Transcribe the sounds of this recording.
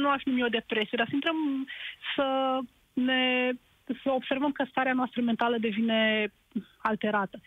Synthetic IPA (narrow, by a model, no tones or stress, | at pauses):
nuafinumio̞d̪e̞pɾe̞sijed̪aɾsəint̪ɾəmsə | ne̞ | səo̞bse̞rvəmkəst̪aɾeanoast̪ɾəme̞nt̪aləd̪e̞vine̞ | alt̪e̞ɾat̪ə